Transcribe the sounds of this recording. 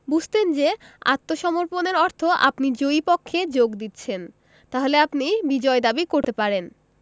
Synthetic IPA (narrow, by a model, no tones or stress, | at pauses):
bud͡ʑʱt̪end͡ʑea̰t̪ːoʃɔmoɾponeɾɔɾt̪ʰoʔa̰pnid͡ʑoipokʰːed͡ʑoɡd̪it̪ːɕʰen | t̪aɦoleapnibid͡ʑɔed̪abikoɾt̪epaɾen